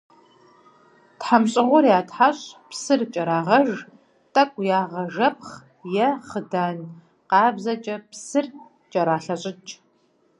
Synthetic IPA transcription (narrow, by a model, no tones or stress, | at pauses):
tħamɕʼɪʁʷʊɾjaːtħaɕʼpsɨrt͡ʃʼɐɾaːʁɐʒ | tʼɐkʷʼjaːʁɐʒɐp̚χ | jɛχədaːn | qɑːbzɐt͡ʃʼɐpsɨr | t͡ʃʼɐɾaːɬɐɕʼɪt͡ʃʼ